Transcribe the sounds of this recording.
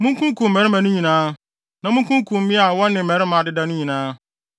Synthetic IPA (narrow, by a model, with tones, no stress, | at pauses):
mũ˦ŋ˦kʰũ˦ŋ˦kũ˨m̩ː˨mɛ˨ɾɪ˦mã˨nʊ̃˦ɲĩ˨nãː˦ | nã˨mũ˦kũ˦ŋ˦kʰũ˨m̩˦mĩ˦a˨wɔ˦nɪ̃˨m̩˨mɛ˨ɾɪ˦mã˨dɪ˦da˦nʊ̃˦ɲĩ˨nãː˦